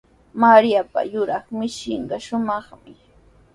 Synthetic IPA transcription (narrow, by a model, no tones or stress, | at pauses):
maɾijapa̰jʊɾɑχmɪʃɪɴɢɑʃʊmɑχmɪ